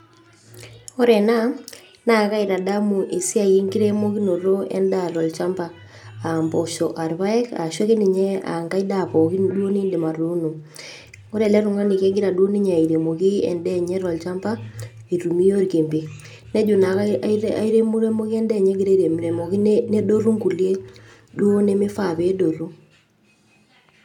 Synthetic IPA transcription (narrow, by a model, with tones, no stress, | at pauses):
o˦ɾɛ˨na˦ | na˦˨ka˦i˨ɾa˨da˦mu˨ʔe˨si˦a˨ji˦ŋɡi˦ɾe˦mo˦ki˦no˨ɾo˦ɛ̰˦nda˨ɾɔ˨lt͡ʃa˦mba˨ | a˨mbo˨ʃo˨ʔa˨ɾβa˦ɛ˦ka̰˨ʃwe˦ke˦ni˨ɲɛ˦a̰˨ŋɡa˦i˦da˦˨po˨ki˦dwo˦ni˦nde˨ma˨ɾu˨˦nu˨ | ŋo˦ɾɛ˨lɛ˦ɾʊ˨ŋa˦ni˨kɛ˦ɡɪ˦ɾa˨dwo˦ni˦ɲɛ˨a˨i˨ɾe˨mo˨ki˦ɛ̰˨ndɛ˦˨ɲɛ˦ɾɔ˨lt͡ʃa˦mba˦ | i˨ɾu˨mi˦jo˦ɾke˨mbe˨ | nɛ˦d͡ʒʊ˨na˨kaaa˦i˦ɾe˦mu˦ɾe˦mo˦ki˦ɛ˦ndɛ˦˨ɲɛ˦ɡɪ˦ɾe˦ɾe˨m˨ɾe˨mo˨ki˦ne˦do˦ɾu˦ŋku˨lje˦ | du˦o˦ne˦mɪ˦fa˨pe˦do˨ɾu˦